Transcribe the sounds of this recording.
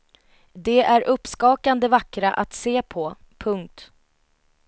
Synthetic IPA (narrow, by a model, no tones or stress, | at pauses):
d̪ɛæɾʔɵpːskɑːkand̪əvakːɾaʔat̪seːpʰɔ | pʰɵŋk̚t̪